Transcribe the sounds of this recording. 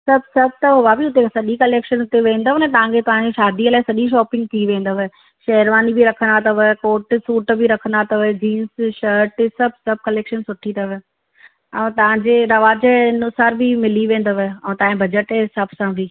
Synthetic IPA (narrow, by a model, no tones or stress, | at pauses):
sɐb̚ʱsɐb̚ʱt̪ɐɦʊʋabiʊt̪eksɐɗikɐleːkʃənʊt̪eʋẽːnd̪əʋnɛt̪ɐʋ̤ãkʰet̪ɐʋ̤ãɲd͡ʑeʃaːd̪iəlaːɪsɐɗiʃ̬ɔːpɪ̃ŋɡ̚t̪ʰiʋẽːnd̪əʋə | ʃɐɦəɾʋaːnibiɾɐkʰə̃nd̪at̪ʰɐʋekoːʈsuːʈbiɾɐkʰə̃nd̪at̪ʰɐʋd͡ʑiːnsʃəɾʈɪsɐbsɐb̚ʱkɐleːkʃənsʊʈʰit̪ʰɐʋe | ɛ̃ːt̪ɐʋ̤ãɲd͡ʑeɾɐʋaːd͡ʑəɪnʊsaːɾbʱimɪliʋẽːnd̪əʋəɛ̃ːt̪ãːɪ̃bɐd͡ʑəʈesɐbsãbʱi